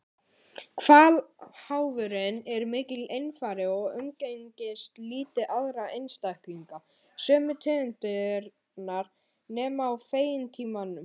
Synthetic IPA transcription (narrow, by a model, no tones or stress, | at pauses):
kʰvaːlhaːwvʏɾɪnɛɾmɪːcɪlejnfaːɾɪɔɣʏmceɲcɪst̪liːt̪ɪʔaðɾaejnst̪ajhkliŋka | sœːmʏt̪ʰɛːɣʏnt̪ɪɾ | naɾ̥ | nɛːmaːwfeːjɪnt̪ʰiːmanʏm